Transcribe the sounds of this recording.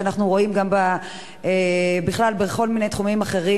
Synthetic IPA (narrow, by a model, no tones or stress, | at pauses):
anaχnuʁo̞imɡamba | ebiχlalbeχo̞lminejt̪χumimaχe̞ʁi